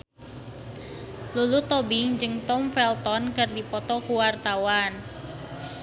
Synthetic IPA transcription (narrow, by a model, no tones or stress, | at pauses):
lulut̪ɔbɪŋd͡ʒɨŋt̪ɔmfɛlt̪ɔnkərdipɔt̪ɔkuwart̪awan